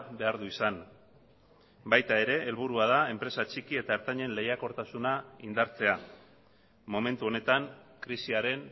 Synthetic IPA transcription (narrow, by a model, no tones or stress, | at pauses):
be̞aɾðuisan | bajt̪ae̞ɾe̞ʔːlβ̞uɾuað̞ae̞mpɾe̞sat͡ʃikie̞t̪aeɾt̪aɲe̞nle̞jako̞ɾt̪asunaind̪aɾt͡se̞a | mo̞me̞nt̪uo̞ne̞t̪aŋkɾisiaɾe̞n